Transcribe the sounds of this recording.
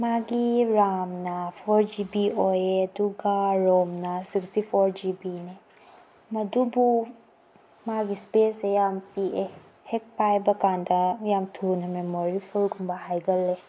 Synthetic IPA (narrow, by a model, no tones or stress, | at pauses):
maːɡiɾaːmnafʰɔɾd͡ʒibiojed̪uɡaɾoːmnasikstifʰɔɾd͡ʒibine | mɐd̪ubu | maɡispeːsejampie | hek̚pajbɐkand̪ajaːmt̪ʰuːnɦɐmemɔɾifʰulɡumbaɦajɡɐlːe